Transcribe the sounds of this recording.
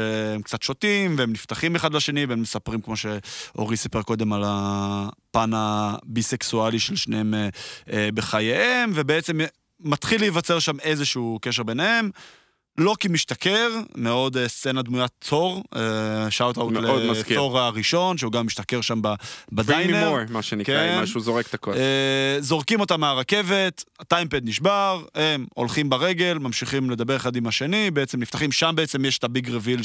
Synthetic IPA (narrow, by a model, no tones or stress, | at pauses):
eemkt͡sat̪ʃo̞t̪imveemnift̪aχimeχadlaʃe̞nivemːesapʁimkmo̞ʃe̞o̞̰ʁisipeʁko̞d̪e̞mala | panabiseksualiʃelʃnehemeebeχajeemvebeet͡se̞m | mat̪χilijvat͡se̞ʁʃame̞zeʃukeʃ̬eʁbe̞nehem | lo̞kimiʃt̪akeʁmeo̞d̪st͡se̞nad̪mujat͡so̞ʁeʃawtawleodkoʁaʁiʃo̞nʃeuɡamːiʃt̪ake̞ʁʃambabadajnmneojmaʃenikemaʃuzoʁekt̪akoezo̞ʁkimo̞t̪amːeaʁake̞ve̞t̪atajmped̪̚niʃbaʁhe̞mo̰lχimbaʁe̞ɡe̞lmamʃiχimle̞d̪abe̞ʁeχad̪imaʃe̞nibeet͡semlift̪aχimʃambeet͡se̞mjeʃe̥t̪abiɡʁevil